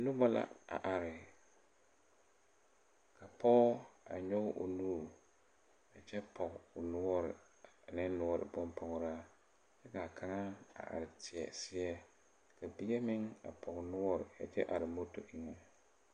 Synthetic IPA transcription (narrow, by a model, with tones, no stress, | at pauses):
nʊ˦bɔ˦la̰˦a̰˨ʔa˨ɾɪ˨ | kʰa˨pʰɔ˦a̰˨ɲɔ˦ɡʔʊ̰˨nu˦˨ | a˨t͡ʃɛ˦pʰɔ˨kʊ˨nʊ˦ɔ˦ɾɪ̰˨ | a˨nɪ˦n˦nʊ˨˦ɔ˦ɾɪ̰˨bɔ˦mpʰɔ˨ɣɾa˦ | t͡ʃɛ˦ka˨kʰa˨ŋa˦a̰˨ʔa̰˨ɾɪ˨tʰɪ˨ɛ̰˨sɪ˦ɛ˦ | ka˨bi˦ɡɛ˦mɪ˦ŋa̰˨pʰɔ˨ɣnʊ˦ɔ˦ɾɪ̰˨a̰˨t͡ʃɛ̰˦ʔa˨ɾɪ˨mo˦to˨ʔɪ˨ŋɛ˨